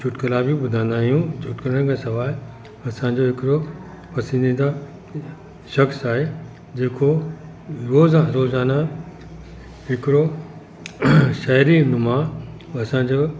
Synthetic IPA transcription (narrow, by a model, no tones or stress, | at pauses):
d͡ʑʰʱʊʈkəlabibʊd̪ʱãn̆d̪aːɦijũt͡ɕʰʊʈkəɾəɽ̃kʰãsɐʋaːl | ɐsãɲ̆d͡ʑoɦɪkɪɽo | pɐsə̃nd̪ĩnd̪a | ʃɐxsaːɦe | d͡ʑeːkʰo | ɾoːzaɾoːzaːna | ɦɪkɪɾo | ʃɛːɾinʊmã | ɐsãɲd͡ʑoː